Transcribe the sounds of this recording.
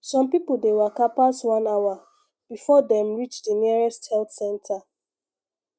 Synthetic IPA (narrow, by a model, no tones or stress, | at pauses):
sɔ̃mpipul̩dewɛkapaswãnawa | b̥ifɔdɛ̃mɹit͡ʃdəniɹɛsthɛlθsɛ̃ntʰa